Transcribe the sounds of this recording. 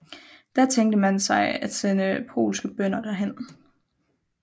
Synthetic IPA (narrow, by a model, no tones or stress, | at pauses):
d̥æɐt͡sʰeŋd̥əmænsɑ̈ɪæd̥senəpʰo̝̰ːlsɡ̥əb̥œn̰ɐd̥æɐɦen̰